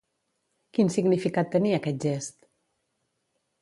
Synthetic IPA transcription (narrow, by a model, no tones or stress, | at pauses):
kinsiɡnifikat̪ːəniəkɛt̪̚ʒest̪